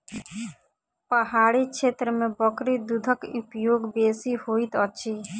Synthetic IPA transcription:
pəɦaɽit͡ʃʰet̪ɾəmebɔkɾid̪ud̪ʱɔkupjoɡbesihojt̪ɔt͡ʃʰi

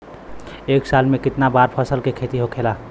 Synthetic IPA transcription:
eksalmẽkɪt̪nabaɾpʰəsəlkekʰet̪iɦokʰela

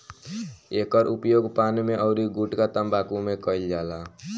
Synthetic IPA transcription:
ekəɾʔupjoɡpanmeʔɔʊɾiɡuʈkat̪əmbakũmekəild͡ʒala

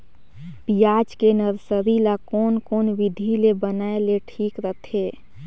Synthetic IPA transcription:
pijad͡ʒkenəɾsəɾilakonkoːnʋid̪ʱilebənaeleʈʰiːkɾət̪ʰe

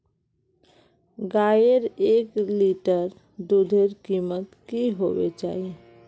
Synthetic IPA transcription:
ɡaːjeɾeːkliʈəɾ | d̪ud̪ʱeɾkimət̪kiɦoʋḛt͡ʃa̰ːɦiẽ

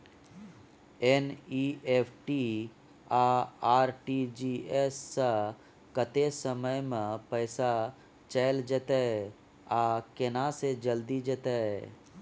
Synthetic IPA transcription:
eniepʰʈi | aaːɾʈid͡ʒiesːa | kət̪esəməjmẽpəɪsa | t͡ʃɛɪld͡ʒət̪ee | akɪnased͡ʒəld̪id͡ʒət̪ee

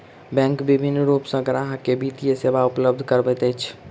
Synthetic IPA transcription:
bɛ̃ŋkbibʱinːɾupsə̃ɡɾaɦkebit̪ijesebaupləb̚d̪ʱkəɾbɛt̪ɛjt͡ʃʰ

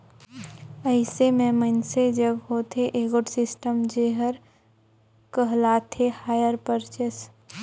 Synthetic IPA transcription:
əɪsemẽmənsed͡ʒəɡɦot̪ʰeʔeːɡəʈsɪsʈəmd͡ʒeːɦəɾ | kəɦlaːt̪ʰehaːjəɾpəɾt͡ʃes

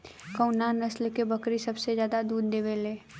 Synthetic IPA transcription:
kə̃ʊnaːnɐslkebɐkɾisɐbsezjaːd̪ad̪uːd̪d̪eːʋeleː

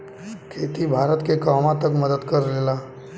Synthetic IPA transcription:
kʰeːt̪ibʱaːɾət̪kekaːmãt̪əkməd̪əd̪kəɾleːlaː

